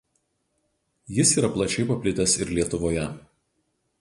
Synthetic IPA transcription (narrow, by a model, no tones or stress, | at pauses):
jɪsiːɾɐplˠɐt͡ʃʲɛɪpɐpʲlʲɪt̪ʲɛsɪɾlʲiɛt̪ʊʋoːjɛ